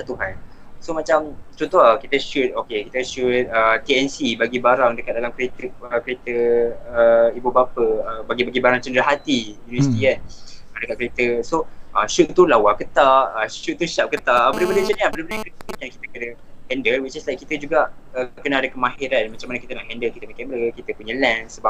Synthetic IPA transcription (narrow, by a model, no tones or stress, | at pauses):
sat̪uɦan | somat͡ʃamt͡ʃɔnt̪oakit̪əʃut̪̚okekit̪əʃut̪̚ət̪iɛnsibaɡibaɾaŋdəkat̪̚dalamkəɾet̪əəkəɾet̪əəibubapəəbaɡibaɡibaɾaŋt͡ʃəndɾaɦat̪iunəsit̪ianədəkat̪̚kəɾet̪əsoʔəʃut̪ːulawakət̪aʔəʃut̪̚tːusap̚kət̪aʔəbədəbəndət͡ʃənabədəbəndəjãkət̪əkankit̪əkədə | hɛndəlwit͡ʃislajkit̪əd͡ʒuɡaʔəkənaadəkəmãɦiɾanmat͡ʃaŋmanəkit̪ənaʔɦɛndəlkit̪əmakãmbəɾəkit̪əpuɲə̃lɛnsəbap̚